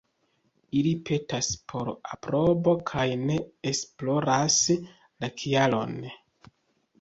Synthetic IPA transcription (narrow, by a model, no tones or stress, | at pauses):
ilipe̞taspʰo̞ɾa̰pɾo̞bo̞kʰajne̞esplo̞ɾas | lakʰialo̞̰n